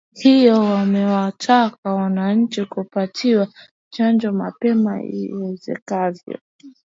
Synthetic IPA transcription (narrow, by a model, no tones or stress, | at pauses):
hijɔwamɛwatʰakawanaɲ̩t͡ʃikupatʰiwa | t͡ʃand͡ʒɔma̰pɛma̰ḭwɛzɛ̰kavjɔ̰